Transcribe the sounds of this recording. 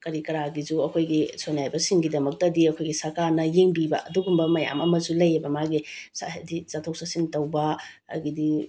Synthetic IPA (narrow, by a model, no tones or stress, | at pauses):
kɐɾikɐɾaɡizuɐkʰojɡisonajbɐsiŋɡidɐmɐk̚tɐdiɐkʰojɡisɐɾkaɾnɐjeŋbibɐ̰ʔɐduɡumbɐmɐja̰mɐmɐzulɐjebɐmaɡisa̰dit͡ʃatʰok̚sasintɐwbɐ | ɐ̰ɡidi